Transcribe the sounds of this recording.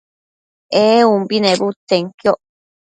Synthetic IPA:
eumbinẽbut̪ːeŋkjoʔ

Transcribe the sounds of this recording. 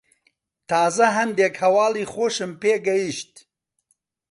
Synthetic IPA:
t̪ʰaːzɐɦɐnd̪eːkhɐwaːliːxoʃɨmpeːɡɐjiʃt̪̚

